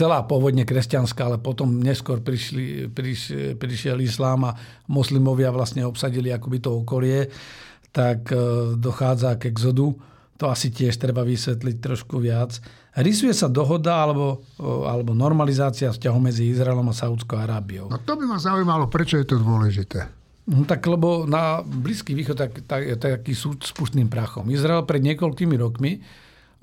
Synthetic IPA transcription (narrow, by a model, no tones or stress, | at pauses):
t͡sɛlaːpʊɔʋɔd̪ɲɛkɾɛscanskaːalɛpɔt̪ɔmɲɛskʊɔɾpɾiʃlḭpɾipɾiʃɪɛlislaːma | mɔslimɔʋɪaʋlasɲɛɔpsaɟiliakɔbit̪ɔɔkɔlɪɛ | t̪akd̪ɔxaːd͡zaɡɛɡzɔd̪u | t̪ɔasicɪɛʃt̪ɾɛbaʋisʋɛt̪̬lic̚t̪ɾɔʃkuʋɪat͡s | ɾisujɛsad̪ɔɦɔd̪aalɛbɔa̰lɛbɔnɔɾmalizaːt͡siafscaɦɔʊmɛd͡ziizɾaɛlɔmasaut͡skɔʊaɾaːbiɔʊnɔt̪ɔbimazaujmalɔpɾɛt͡ʃɔjɛt̪ɔd̪ʊɔlɛʒit̪ɛː | nɔt̪aklɛbɔnabliskiʋiːxɔt̪takt̪ajɛt̪akiːsut̪spuʃt̪niːmpɾaxɔ̰mizɾaɛlpɾɛd̪ɲɪɛkɔlkimiɾɔkmi